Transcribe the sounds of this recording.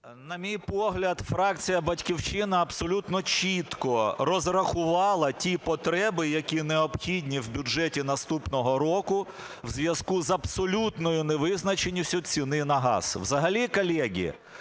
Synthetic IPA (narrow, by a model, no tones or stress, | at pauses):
nɐmʲijpɔɦlʲɐd̪fɾɑkt͡sʲijɐbɐtʲkʲiwt͡ʃɪnɐːbsɔlʲut̪nɔt͡ʃʲit̪kɔrɔzrɐxʊʋɑlˠɐtʲipɔt̪ɾɛbɪjɐkʲinɛɔbxʲidʲnʲiwbʲʊʐɛtʲinɐst̪upnɔɦɔɾɔkʊ | wzʲʋʲjɐskuzɐbsɔlʲut̪nɔjʊnɛʋɪznɐt͡ʃenʲːʊsʲʊt͡sʲinɪnɐɦɑ̰zwzɐɦɐlʲikɔlʲɛɡʲḭ